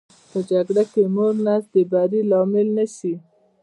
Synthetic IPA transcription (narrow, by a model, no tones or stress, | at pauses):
pəd͡ʒaɡɽakemoɾnasd̪əbaɾilɑmɪlnaʃi